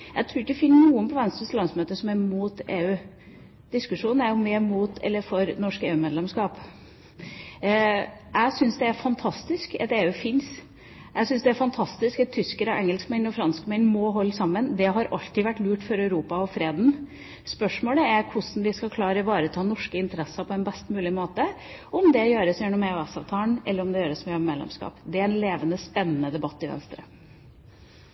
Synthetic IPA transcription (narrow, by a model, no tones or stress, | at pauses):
jæ̰ɪt̪ʰɾuːɾɪçdəfɪnːənuːənpʰɔʋɛnst̪ɔslɑnsmøːt̪əʂsɔmæɾmuːt̪eːʉː | d̪̥ɪskʉʂuːnn̩æɾjʊmeːmuːt̪ʰɛ̰lːəɾfɔɾnɔʂkeːʉːmeːd̪lɛmskɑːp | æɪsʏnsd̪ɛæɾfɑnt̪ʰɑst̪ɪskɛ̰t̪eːʉːfɪns | ʔæɪsʏnsd̪ɛæɾfɑnt̪ʰɑst̪ɪskɛt̪ʰːʏskəɾɔʔɛŋːɛlskmɛnɔfɾɑnskmɛnmɔɦɔlːsɑmːənd̪ɛɦɑɾʔɑlt̪ɪʋæʈːlʉːʈfɔɾœʉɾuːpɑɔfɾeːd̪n̩ | spœʂmoːləæɾkʰʊsn̩ʋɪskɑkʰlɑːɾəʋɑːɾət̪ʰɑːnɔʂkəɪnt̪əɾɛsɑpʰɔɛnbɛst̪mʉːlɪmoːt̪ə | ʔɔmd̪ɛjøːɾəsjɛɳɔmeʉɛsɑ̰ːʋt̪ʰɑːənʔɛlːəɾɔmd̪ɛjøːɾəsmɛjøːmeːlɛ̰mskɑ̰ːpd̪ɛæɾɛnleːʋənəspɛnːənəd̪ɛbɑt̪ːɪʋɛ̰nst̪ɾə